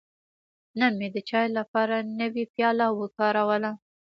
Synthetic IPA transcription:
named̪ət͡ʃɑjlapɑɾanəwipjɑlawəkɑɾawəla

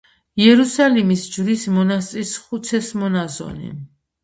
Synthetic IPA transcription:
jɛɾusalimisd͡ʒvɾismɔnast̪sʼisχut̪sʰɛsmɔnazɔ̰nḭ

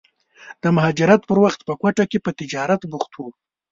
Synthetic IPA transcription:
d̪̥əmʊɦɑd͡ʒɪɾat̪pəɾwaxt̪pəkwaʈakepət̪ɪd͡ʒɑɾat̪buxt̪wu

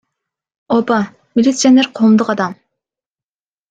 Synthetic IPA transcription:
opɑ | mʲilʲit̪sijaneɾqʰoːmd̪uqɑd̪ɑm

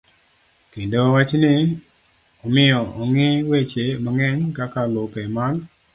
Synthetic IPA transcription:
kendowat͡ʃnɪ | ɔmɪɔɔŋɪwet͡ʃemaŋɛɲkakalopɛmal

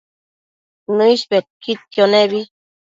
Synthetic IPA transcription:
nɨiʃbet̪̚kit̪̚kjoneβi

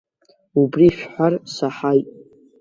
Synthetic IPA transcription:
ubriʃᶣħʷarsaħajtʼ

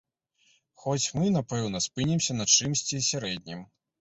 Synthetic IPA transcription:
xɔt͡sʲmɨnapɛwnɐspɨnʲimsʲɐnɐt͡ʂɨmsʲt͡sʲisʲaɾɛd̪ʲnʲim

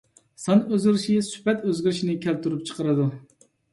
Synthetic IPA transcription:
sɑnøzɡʲiɾʃisy̥pɛt̪øzɡʲiɾɪʃinɪkʲʰælt̪ʰuɾup̚t͡ʃʰə̥qəɾɨd̪u

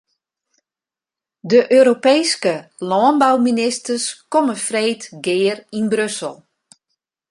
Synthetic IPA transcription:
dəʔøːɾopeːskəlɔːənbawminɪstərskɔməfreːtɡɪːərinbɾøsəlˠ

